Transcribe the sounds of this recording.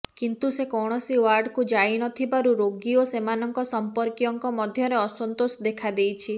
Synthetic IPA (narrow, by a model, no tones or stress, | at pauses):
kint̪usekɔwɽ̃ɔsiwaɾɖkud͡ʒainɔt̪ʰibaɾuɾoɡiosemanɔŋkɔsɔmpɔɾkiɔŋkɔmɔd̪ʱjɔɾeɔsɔnt̪osɔd̪ekʰad̪ejt͡ʃʰi